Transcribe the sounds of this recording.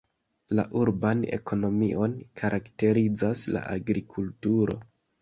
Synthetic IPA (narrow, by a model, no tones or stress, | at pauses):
la̰ʔuɾbane̞̰ko̞no̞miʔo̞nkʰaɾʔakte̞ɾid͡zasla̰ʔa̰ɡɾikʰultuɾo̞̰